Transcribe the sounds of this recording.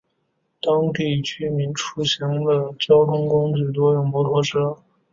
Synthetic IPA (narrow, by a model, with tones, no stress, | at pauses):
t̪ɑ˥ŋt̪i˥˩t͡ɕy˥mi˧˥nʈ͡ʂʰu˥ɕjɑ˧˥ŋd̪ə˧t͡ɕjɑ˥ʊt̪ʰʊ˥ŋkʊ˥ŋt͡ɕy˥˩t̪̬wɔ˥jʊ˥˩ŋpwɔ˧˥t̪ʰwɔ˧˥ʂɤ˥